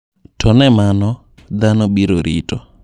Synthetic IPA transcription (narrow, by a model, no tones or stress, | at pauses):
tʰɔnɛmanɔ | d̪anɔbiɾoɾitɔ